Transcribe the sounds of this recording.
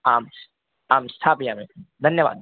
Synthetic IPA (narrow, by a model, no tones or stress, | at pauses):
aːms | aːmst̪ʰaːpijaːmẽd̪ʱɐnjəʋa̰ːd̪̚